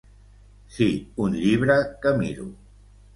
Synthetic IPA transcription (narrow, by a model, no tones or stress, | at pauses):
siunʎiβ̞ɾəkəmiɾṵ